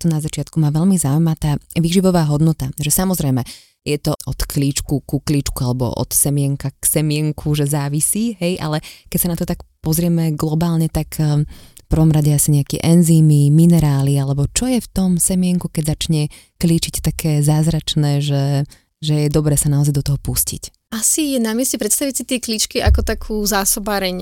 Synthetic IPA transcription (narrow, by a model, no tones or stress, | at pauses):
t̪ɔnazat͡ʃɪat̪kumaːʋɛlmizaujmat̪aːʋiːʒiʋɔʋaːɦɔd̪nɔt̪aʒɛsamɔzɾɛjmɛ | jɛt̪ɔɔt̪kliːt͡ʃkukukliːt͡ʃkualɛbɔ̰ʔɔ̰t̪sɛmɪɛŋkaksɛmɪɛŋkʰuʒɛzaːʋisiːɦɛjʔa̰lɛkɛcsanat̪ɔt̪akpɔzɾɪɛmɛɡlɔbaːlɲɛt̪ak | fpr̩ʋɔmɾaɟɛasiɲɛakḭʔɛnziːmiminɛɾaːlialɛbɔt͡ʃɔjɛft̪ɔmsɛmɪɛŋkukɛɟzat͡ʃɲɛ | kliːt͡ʃict̪akʰɛːzaːzɾat͡ʃnɛːʒɛ | ʒɛjɛd̪ɔbɾɛːsanaɔzajd̪ɔt̪ɔɦɔpuscḭc | ʔasijɛnamɪɛscɛpɾɛt̪st̪aʋisit̪ɪiɛklit͡ʃkiʔakɔt̪akʰuːzaːsɔbaːɾɛɲ